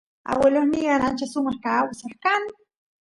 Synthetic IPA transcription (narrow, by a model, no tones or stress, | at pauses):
ʔa̰welohnianant͡ʃasumaɾkaawesaχkan